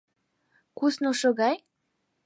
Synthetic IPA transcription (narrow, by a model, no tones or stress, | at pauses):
kusnoʃoɣɑj